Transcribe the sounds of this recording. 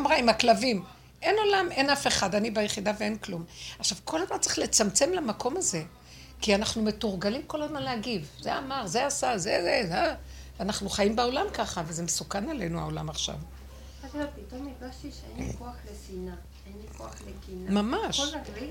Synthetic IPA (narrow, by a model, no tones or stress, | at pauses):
mʁaimaklavim | ʔe̞no̞lame̞nafeχadanibajeχidavee̞nklumaχʃavkʰo̞lazmant͡se̥χle̞t͡samt͡se̞mlamako̞maze̞ | kianaχnume̞tuʁɡalimko̞lazmanlehaɡivzeamaʁzeasazezee | anaχnuχajimbeo̞lamkaχavezemesukanale̞nua̰o̞la̰maχʃa̰v | apit̪omiɡaʃt̪iʃeenlikoaχlesina | enlikoaχlekinamamaʃ